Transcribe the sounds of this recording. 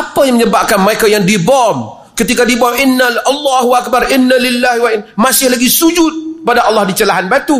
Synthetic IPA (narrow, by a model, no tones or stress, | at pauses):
apajaŋməɲəbap̚kanməɾekajaŋdibɔm | kət̪ikadibɔmɪnːalɑlːɑɦuʔak̚barʔɪnːalɪlːahwaɪnmasɪhlaɡisud͡ʒʊt̪̚kəpadaʔɑlːɑhdit͡ʃəlaɦanbat̪u